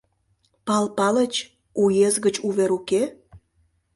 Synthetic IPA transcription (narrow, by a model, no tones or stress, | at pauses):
pɑlpɑlət͡ɕ | ujezɣət͡ɕuβeɾuke